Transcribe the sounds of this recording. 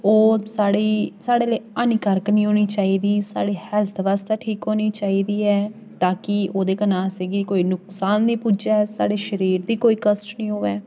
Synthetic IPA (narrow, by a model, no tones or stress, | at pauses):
oːsaːɽiːsaːɽeːleːaːniːkəɾknĩːɦoːniːt͡ʃaːiːd̪iːsa̰ːɽiːhɛːlt̪ʰʋaːst̪eːʈʰiːkɦoːniːt͡ʃaːiːd̪iːɛː | t̪aːkɪoːd̪eːkənãːseɡikoːiːnʊksaːnd̪ĩːpuːd͡ʒaːɛːsa̰ːɽeːʃəɾiːɾd̪iːkoːiːkəsʈnĩːɦoːʋɛː